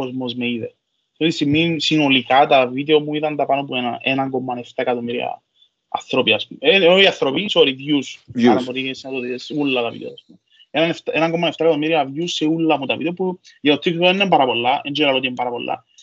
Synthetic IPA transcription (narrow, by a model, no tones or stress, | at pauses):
kozmozmeiðe | ot̪ist̪imːisino̞likat̪ɐvid̪eomuit̪ɐnd̪ɐpano̞puenɐʔenɐŋɡomːɐneft̪ɐkɐt̪omiɾiɐ̰ | ɐ̰θɾopiɐspumenoiɐθɾopisoɾivjusnɐoɾieset̪ot̪isulːɐt̪ɐvḭd̪ḛo̰ɐspum | enɐneft̪aʔenɐŋɡomːɐneft̪ɐkɐt̪omiɾiɐvjuseulːɐmut̪ɐvḭd̪epu | ʝɐt̪ot̪ːikt̪oenːempɐɾɐpolːɐend͡ʒiɾɐloiembɐɾɐpo̰lːɐ̰